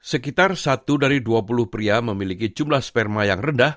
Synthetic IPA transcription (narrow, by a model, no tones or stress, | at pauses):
səkit̪arsat̪udaɾiduapulʊhpɾiaməmilikid͡ʒumlahspɛrmajaŋrəndah